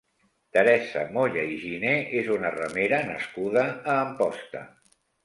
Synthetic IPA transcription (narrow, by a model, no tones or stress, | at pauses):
t̪əɾɛsə̰moʎəiʒineezunərəmeɾənəskuðəːmpɔst̪ə̰